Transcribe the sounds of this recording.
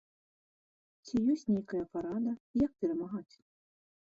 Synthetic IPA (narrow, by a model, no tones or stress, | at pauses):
t͡sʲijɔsʲnʲejkɐjɐpaɾad̪ɐjɐk̚pʲɛɾɐmaɣat͡sʲ